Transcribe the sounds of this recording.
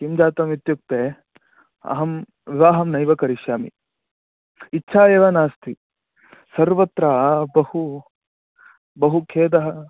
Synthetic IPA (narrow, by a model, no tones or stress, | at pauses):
kimd͡ʒaːt̪ɐmit̪juk̚t̪eː | ɐ̰ɦɐm | ʋiʋaːɦɐmnɐjʋɐkɐɾiʃjaːmḭ | itːʃʰaːeːʋɐnaːst̪ʰi | sɐɾʋɐt̪ɾɐbɐhu | bɐɦukʰeːd̪ɐɦɐ